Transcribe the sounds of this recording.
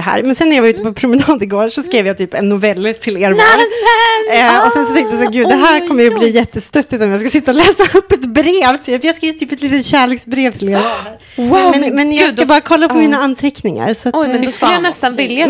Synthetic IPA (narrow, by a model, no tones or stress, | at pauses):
ɦæ̰ːɾmɛnsɛnːæɾjɑvaɾʉ̟t̪əpʰɔpʰɾʊmɛnɑːd̪ɪɡoːɾʂɔskɾeːvjɑt̪yːpɛnːʊvɛlːt̪ʰɪleːɾmɛn | ɔsɛnsɔt̪ɛŋt̪əjasːɾɡʉ̟ːd̪d̪ɛɦæːɾkʰɔmːəjbliːjɛt̪ːəst̪œt̪ːɪt̪ɔmjɑɡskasɪt̪ːaɔlɛːsaɵpːɛt̪bɾeːvt̪ʰyːpjɑɡskaejːt̪ʰyːpɛt̪liːt̪ət̪ɕæːɭeːksbɾeːvt̪ʰɪle | wamɛnmɛnjɑsabɑːɾakʰɔlːapʰɔmiːnaanːt̪ʰɛknɪŋa̰ɾsɔatɔjɛnd̪jnɛst̪anvɪlːja